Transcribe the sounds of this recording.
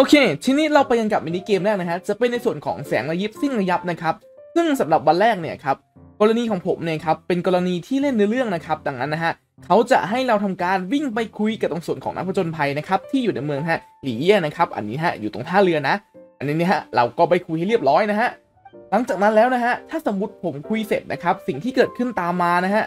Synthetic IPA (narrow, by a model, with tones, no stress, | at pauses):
ʔoː˧kʰeː˧t͡ɕʰi˦˥nːi˦˥t̪̚ɾa˧wpa˧jka˧nka˨˩p̚ma˧ni˦˥keː˧mɾɛː˥˩k̚na˦˥kʰa˦˥t͡ɕa˨˩pe˧nːa˧jsu˨˩ənkʰɔ̰ː˩˦ŋsɛ̰ː˩˦ŋɾa˧ji˦˥p̚si˥˩ŋɾa˧ja˦˥p̚na˦˥kʰa˦˥p̚ | sɯ˥˩ŋsa˩˦mɾa˨˩p̚wa˧nɾɛː˥˩k̚ni˥˩ɐkʰa˦˥p̚ | kɔː˧ɾa˧niː˧kʰɔː˩˦ŋpʰo̰˩˦mni˥˩ɐ˩kʰa˦˥pːe˧nkɔː˧ɾa˧niː˧t̪ʰiː˥˩le˥˩nːɯ˦˥lɾɯ˥˩əŋna˦˥kʰa˦˥p̚da˧˩ŋna˦˥nːa˦˥ɦa˦˥ʔ | kʰa˦˥wt͡ɕa̰˨˩ʔɦa˥˩jɾa˧wt̪ʰa˧mkaː˧nwi˥˩ŋpa˧jkʰu˧jka˨˩t̪o˧ŋsu˨˩ənkʰɔ̰ː˩˦ŋʔa˦˥kpʰt͡ɕo˧npʰa˧jna˦˥kʰa˦˥p̚t̪ʰiː˥˩juː˨˩na˧jmɯ˧əŋnɦa˦˥˩ | liː˩˦ji˥˩əna˦˥kʰa˦˥p̚ʔa̰˨˩nːiː˦˥ɦa̰˦˥jṵː˨˩t̪o̰˨˧˩ŋt̪ʰaː˥˩lɯ˧ɐna˦˥ʔʔa˨˩nːiː˦˥ni˦˥ɦa˦˥ɾa̰˧wkɔː˥˩pa˧jkʰu˧jha˥˩jɾi˥˩əp̚ɾɔː˦˥jna˦˥ɦa˦˥ʔ | la˩˦ŋt͡ɕaː˨˩k̚na˦˥nlɛː˦˥wna˦˥ɦa˦˥ʔt̪ʰaː˥˩sa˩˦mːu˦˥t̪̚pʰo˨˩˦mkʰu˧jse˨˩t̪̚nʔa̰˦˥kʰa˦˥p̚si˨˩ŋt̪ʰiː˥˩kɤː˨˩t̪̚kʰɯ˥˩nt̪aː˧mːaː˧na˦˥ɦa˦˥ʔ